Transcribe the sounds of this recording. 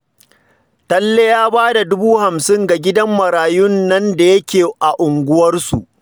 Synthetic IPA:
tɐ˦lːe˦jaː˦baː˦da˨dʊ˦buː˦ha˨msɪ˦ŋɡa˨ɡʲɪ˦dɐ˦mːɐ˨ɾaː˨jʊ˦nːɐ˦nda˨jɐ˦kʲeː˨ʔa˨ʔʊ˨ŋɡʷʊ˦wɐ˦rsu˨ʔ

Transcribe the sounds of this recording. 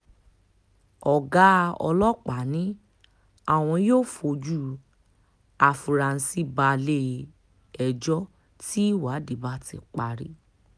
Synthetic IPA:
ɔ˨ɡa˦˧ɔ̰˧lɔ˦k͡pa˨˦nĩ˨˦ | a˦˨w̃ɔ̃˧joː˦˨fo˧d͡ʒu˦˨ | a˨fu˨ɾa˨n̩˧si˦ba˧le˦ | ɛ˨d͡ʒɔ˦ | ti˦wa˨˦di˨ba˦tḭ˧˨k͡pa˧ɾi˨˦

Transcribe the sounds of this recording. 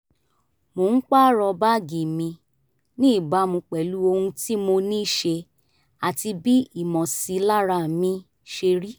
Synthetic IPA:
mo˨˦n̩˦k͡pa˦ɾɔ˧ba˦˨ɡĩ˨mĩ˧ | nĩ˦i˦˨ba˨˦mũ˧k͡pɛ˨lu˦o˧hũ˧ti˦mo˧nĩː˦˨ʃe˧ | a˨ti˧bi˦i˦˨mɔ̃˨si˧la˦ɾa˧˨mĩ˧˦ | ʃe˧ɾi˦

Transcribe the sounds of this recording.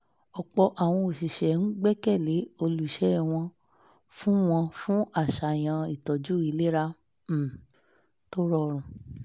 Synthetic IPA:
ɔ˨k͡pɔ˧ʔa˨w̃ɔ̃˧o˨ʃi˨ʃɛ˨n̩˦ɡ͡bɛ˦kɛ˦˨le˨˦o˧lu˨ʃɛ˨˦˨w̃ɔ̃˧ | fũ˦w̃ɔ̃˧fũ˦ʔa˦˨ʃa˨j̃ã˧i˨tɔ˨d͡ʒu˨˦i˨˧˦le˦ɾa˦˨ | to˦ɾɔ˦˧ɾ̃ũ˨

